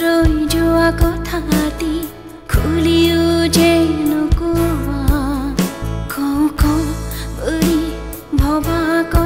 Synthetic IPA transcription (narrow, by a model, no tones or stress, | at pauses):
ɾojd͡ʒɔakɔt̪ʰat̪i | kʰuliud͡ʒenukumankɔw̃kɔnbəɽi | bʱɔbakɔ